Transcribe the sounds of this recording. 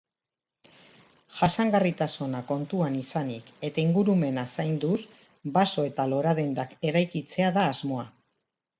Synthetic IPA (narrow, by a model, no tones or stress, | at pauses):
ʝasaŋɡarit̪asonako̞nt̪uanisanike̞t̪aiŋɡuɾume̞nasajnd̪us | baso̞e̞t̪alo̞ɾaðend̪ake̞ɾajkit͡se̞aðaːzmo̞a